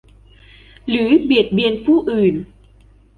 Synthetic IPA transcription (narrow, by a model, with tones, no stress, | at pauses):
ɾɯː˩˦bi˨˩ət̪̚bi˧ənpʰuː˥˩ʔɯː˨˩n